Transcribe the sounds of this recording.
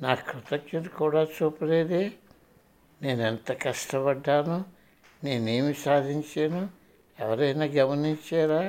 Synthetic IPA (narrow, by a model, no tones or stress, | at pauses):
naːkɾut̪ɐkʃɐikuːɽaːt͡ʃuːpɐleːd̪i | ne̞ːnent̪ɐkɐʂʈɐbɐɖːaːnu | ne̞ːne̞ːmisaːd̪ʱiɲt͡ʃeːnu | ɛʋɐɾɐjnaːɡɐmɐniɲt͡ʃaːɾaː